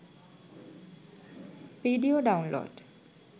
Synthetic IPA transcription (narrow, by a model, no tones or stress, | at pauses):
pɾiɖioɖawnlo̰ɖ